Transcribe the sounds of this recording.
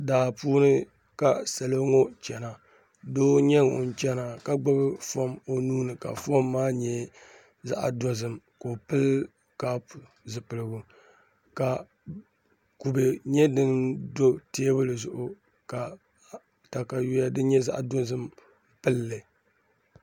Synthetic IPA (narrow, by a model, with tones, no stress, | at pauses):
daː˨puː˦nɨ˦ | ka˨sa˨lo˦ŋo˦t͡ʃɛ˨na˨ | doː˦ɲɛ˦ŋo̰˨n̩˨˦t͡ʃɛ˦na˨ka˨ɡ͡ba˦bɨ˦fɔ˦mo˨nuː˦nɨ˨ka̰˨fo˦mːaː˦ɲɛ˦ | za̰˦ʔa̰˨dɔ˦zɨ˦m | ko˨pɨ˦l | ka˦pu˨ | zɨ˨pɨ˨lɨ˨ɡu˦ | ka˨ | ku˨be˨ɲɛ˦dɨ˦ndo˦te˦bʊ˦lɨ˨zʊ˨ʔʊ˦ | ka˨ | ta˨ka˨ju˦ja˦dɨ˦ɲɛ˦za̰˦ʔa̰˨dɔ˦zɨ˦m | pɨ˦lːɨ˨